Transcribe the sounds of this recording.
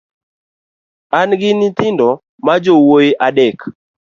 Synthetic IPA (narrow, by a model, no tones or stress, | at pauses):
anɡɪnɪt̪ɪndɔ | mad͡ʒowojiʔaɗɛk